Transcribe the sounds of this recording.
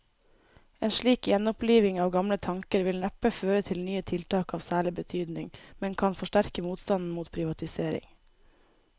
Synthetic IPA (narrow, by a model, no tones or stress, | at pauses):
eːnʃɭiːkjɛnɔpliːʋɪŋɑːʋɡɑmlət̪ʰɑŋkəɾʋɪlnæpəføːɾət̪ʰɪlnyːət̪ʰɪlt̪ʰɑːkɑːʋsæːɭɪbət̪ʰyːd̪nɪŋmɛnkʰɑnfɔʃʈæɾkəmuːt̪st̪ɑnn̩muːt̪pʰɾɪʋɑt̪ɪseːɾɪ̰ŋ